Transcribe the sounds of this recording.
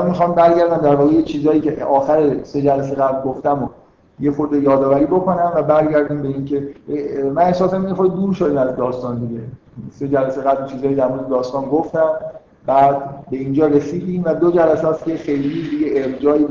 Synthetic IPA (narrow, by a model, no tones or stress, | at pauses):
mænmixɒːmbæɾɡæɾd̪æmd̪æɾvɒːɣejet͡ʃʰiːzɒːjiːcʰeɒːxæɾese̞d͡ʒælæs̬e̞ɣæblɡoft̪æmo | jexoɾd̪ejɒːd̪ɒːvæɾiːbo̞ko̞næmvæbæɾɟæɾd̪iːmbe̞iːncʰe̞mænehsɒːsæminexoɾd̪ed̪uːɾʃod̪iːmæzd̪ɒːst̪ɒːnd̪iɟe̞ | se̞d͡ʒælæse̞ɣæblt͡ʃʰiːzɒːjid̪æɾmoːɾd̪ed̪ɒːst̪ɒːnɡoft̪æm | bæːd̪be̞iːnd͡ʒɒːɾesiːd̪ĩːmvæd̪od͡ʒælæsæːsce̞xe̞jlid̪iɟeːɾd͡ʒɒːi